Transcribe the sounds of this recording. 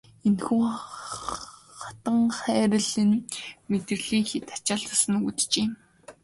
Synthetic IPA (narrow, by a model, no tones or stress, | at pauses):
enxuː | χḁt̪ə̆ŋχæːɾə̆ɮinmet̪ɘ̆rɮiːŋxit̪ḁt͡ɕăːɮt̪ăsə̆nut̪t͡ɕeːm